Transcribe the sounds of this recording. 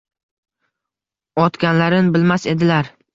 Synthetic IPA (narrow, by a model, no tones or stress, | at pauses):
ɒt̪kʲanlaɾɪnbɪlmase̞d̪ɪlaɾ